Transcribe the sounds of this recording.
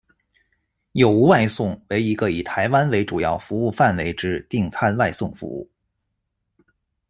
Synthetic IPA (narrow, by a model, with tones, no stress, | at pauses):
jo˨˩ʊu˧˥wa˥˧ɪsʊ˥˩ŋwe˧˥ɪi˧˥ɡə˧i˨˩t̪ʰa˧˥ɪwa˥nwe˧˥ɪʈ͡ʂu˨˩jɑ̰˥˩ʊfu˧˥u˥˧fa˥˩nwe˧˥ɪʈ͡ʂɻ̩˥t̪i˥˧ŋt͡sʰa˥nwa˥˧ɪsʊ˥˩ŋfṵ˧˥ṵ˥˩